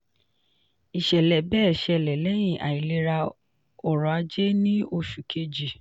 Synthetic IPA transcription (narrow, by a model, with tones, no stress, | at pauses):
i˨ʃɛ˨lɛ˨bɛː˦˨ʃɛ˧˨lɛ˨lɛ˨˦j̃ĩ˨ʔa̰˨i˨le˨˧˦ɾa˧ | ɔ˨ɾɔ˨a˧d͡ʒe˦nĩ˦o˧ʃu˨kʰe˧d͡ʒi˨